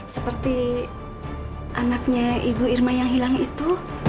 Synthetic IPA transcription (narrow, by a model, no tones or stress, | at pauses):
səpərt̪i | ʔanak̚ɲaibuirmajaŋɦilaŋit̪u